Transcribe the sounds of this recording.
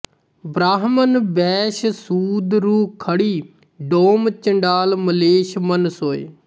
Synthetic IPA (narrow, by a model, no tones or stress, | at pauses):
bɾaːɦmənbɛːʃsuːd̪ɾuːkʰəɽiː | ɖoːmt͡ʃəɳɖaːlməleːʃmənsɦoːḛː